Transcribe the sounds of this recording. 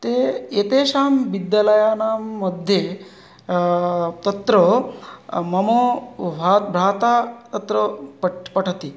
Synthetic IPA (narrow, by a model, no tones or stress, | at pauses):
t̪eːet̪eːʃaːmbid̪jalɐjaːnaːmːɐd̪ʱje | t̪ɐt̪ɾə | mɐmoːbʱat̪bʱɾaːt̪aːt̪ɐt̪ɾəpʈpɐʈʰɐt̪i